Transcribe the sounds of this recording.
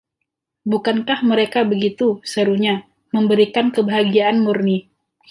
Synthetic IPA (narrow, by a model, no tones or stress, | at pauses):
bukankahməɾekabəɡit̪usəɾuɲa | məmbəɾikankəbəɦaɡiaʔanmurni